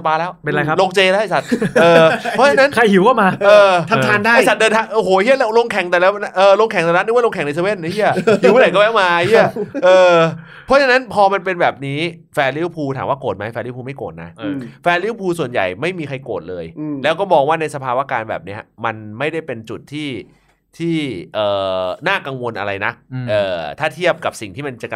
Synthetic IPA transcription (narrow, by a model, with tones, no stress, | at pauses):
sa˧paː˧lɛː˦˥wpe˧na˧kʰa˦˥lo˧ŋt͡ɕeː˧lɛ˦˥a˧˩sa˨˩t̪̚ʔɤː˧ɔ˦˥˧t͡ɕʰa˧na˦˥nkʰa˧jhi˨˩˦wkɔː˥˩maː˧ʔɤː˧t̪ʰa˧t̪ʰaː˧ndaː˥˧˩jsa˨˩t̪̚dɤː˧nt̪ʰaː˧˩ŋʔoː˧˩ɦhoː˨˦˧hʰi˥˩˨lɛː˦˥˩wlo˧ŋkʰɛ˨˩ŋt̪ɛ˨˩lɛː˦˥wa˦ʔɤː˧lo˧ŋkʰɛ˨˦ŋt̪ɛ˨˩a˧˥ndlo˧ŋkʰɛ˨˦ŋna˧sa˧we˥˩nːa˧˥˦hʰi˥˩ɐ˦hi˨˩˦wːla˨˦kɔː˥˩bɛː˥˩wmaː˧ji˥˩ɐʔɤː˧ | pʰɔ˦˥t͡ɕʰa˧na˦˥npʰɔː˧ma˧npe˧nbɛː˨˩p̚niː˦˥ | fɛː˧li˦˥˩wpʰuː˧t̪ʰa̰ː˩˦mwaː˥˩koː˨˩t̪̚ma˦˥jfɛː˧li˦˥˩pʰuː˧ma˥˩jkoː˨˩t̪̚na̰˦˥fɛː˧li˦˥˩wpʰuː˧su˨˩ənja̰˨˩jma˥˩jmiː˧kʰa˧jkoː˨˩t̪̚lɤː˧jlɛː˦˥wkɔː˥˩bɔː˧k̚waː˥˩na˧jsa˧pʰaː˧waː˦˥˩kaː˧nbɛ̰ː˨˩p̚ni˦˥ɐma˧nma˥˩jda˥˩jpe˧nt͡ɕu˨˩t̪ʰːiː˥˩ | t̪ʰiː˥˩ʔɤː˨˩naː˥˩ka˧ŋwo˧nʔa̰˧ɾa˧jna˦˥k̚ʔɤː˨˩t̪ʰaː˥˩t̪ʰi˥˩əp̚ka˨˩p̚si˨˩ŋt̪ʰiː˥˩ma˧nt͡ɕa˨˩k